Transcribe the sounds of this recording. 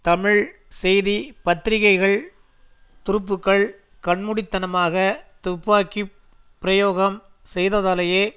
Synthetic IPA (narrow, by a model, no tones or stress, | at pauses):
t̪ɐmɪɻ | sɛjðipɐt̪ːɪɾɪɣɐɪɣɐɭ | t̪ʊɾʊp̬ːɯkːɐɭ | kɐɳmɯɽɪt̪ːɐnɐmaːɣɐt̪ʊpːʋaːki | pːɪɾɐjoːɣɐm | sɛjðɐðaːlɐjeː